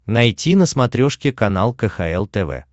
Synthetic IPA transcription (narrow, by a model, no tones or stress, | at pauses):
nɐjtʲinəsmɐt̪ɾʲoʂkʲɪkɐnalˠkəxɐɛlˠt̪ɛvɛ̰